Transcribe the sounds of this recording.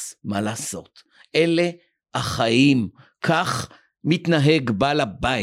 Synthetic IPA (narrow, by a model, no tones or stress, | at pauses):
malaːso̞t̪ | ʔele | haχaimkʰaχ | mit̪naɦeɡbalaba